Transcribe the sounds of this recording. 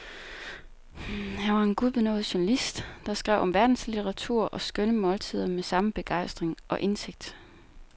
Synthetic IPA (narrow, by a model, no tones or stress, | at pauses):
hæʋɑ̈e̝nɡ̥uðˠb̥enɔ̽ːð̩ˠɕuʊnælisd̥d̥ɑ̈sɡ̥ʁɛʊ̰ɒ̽mʋæɐd̥n̩slit͡sʰɐʁɑ̈t͡sʰuɐ̰ʔɒ̽sɡ̥œnəmɒ̽lt͡sʰið̞̰ˠɐmesɑ̈məb̥e̝ɡ̥ɑ̈ɪ̰sd̥ʁeŋʔɒ̽ʔe̝nse̝ɡ̥̚d̥